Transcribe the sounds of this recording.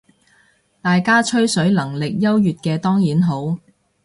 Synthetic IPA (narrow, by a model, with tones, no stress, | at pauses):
t̪aː˨jkaː˥t͡ʃʰɵ˥ɥsɵ˨˥ɥlɐ˨˩ŋlɪ˨k̚jɐ˥wjyː˨t̚kɛː˧t̪ɔː˥ŋjiː˨˥nɦo˨˥w